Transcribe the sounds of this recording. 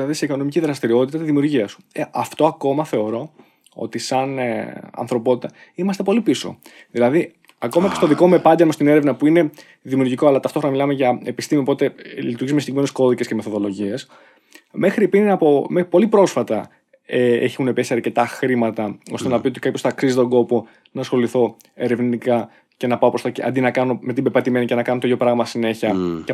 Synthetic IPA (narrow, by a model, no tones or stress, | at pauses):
ɐðiseiko̞no̞miciðɾɐst̪iɾio̞t̪it̪ɐt̪izðimiuɾʝiɐsu̥eʔɐft̪o̞ɐko̞mɐθe̞o̞ɾo̞ | o̞̰t̪isɐnɐ̰nθɾo̞po̞t̪it̪ɐimɐst̪e̞po̞lipiso̞̰ | ðilɐði | ɐko̞mɐce̞st̪o̞ðiko̞me̞pɐɟ̪emost̪ine̞ɾevnɐpuine̞ | ðimiuɾʝikoɐlɐt̪ɐft̪oɾnɐmilɐmeʝɐepist̪imiopo̞t̪elit̪uɾʝizmesd̪eimenesko̞ðice̞sceme̞θoðo̞lo̞ʝie̞s | me̞xɾipinnɐpomepo̞lipɾo̞sfɐt̪ɐ | eeçunepesiɐɾce̞t̪ɐxɾimɐt̪ɐo̞st̪e̞nɐpio̞t̪i̥kapjçost̪ɐksizit̪o̞ɡo̞po̞ | nɐsxo̞liθo̞ | e̞ɾe̞vnikɐ | ce̞nɐpɐopɾost̪ɐceɐ̰nd̪inɐkɐno̞me̞t̪ibepɐt̪ime̞nice̞nɐkɐnot̪jo̞pɾɐɣmɐsine̞çiɐ